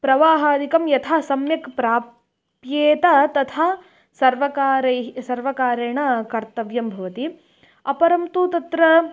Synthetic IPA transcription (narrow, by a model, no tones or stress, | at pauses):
pɾɐʋaːɦaːd̪ikɐmjɐt̪ʰaːsɐmjɐkpɾaː | pjeːt̪ɐt̪ɐt̪ʰaː | sɐɾʋɐkaːɾɐɦsɐɾʋɐkaːɾeːɳɐkɐɾt̪ɐʋjɐmbʱɐʋɐt̪i | ɐpɐɾɐmt̪ut̪ɐt̪ɾɐ